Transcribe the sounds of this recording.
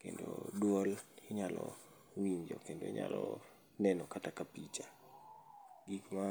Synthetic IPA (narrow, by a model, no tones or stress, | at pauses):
kendodwolɪɲalɔ | wiɲd͡ʒɔkendo̰ɪ̰ɲa̰lɔ | nɛnɔkatakapit͡ʃa | ɡikma